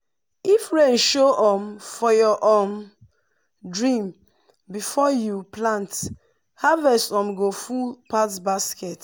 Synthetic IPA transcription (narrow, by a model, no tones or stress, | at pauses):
ifɹenʃoʔɔmfɔjɔʔom | dɹĩm | bifɔjuplãnt | havɛsɔ̃mɡofulpatbaskɛt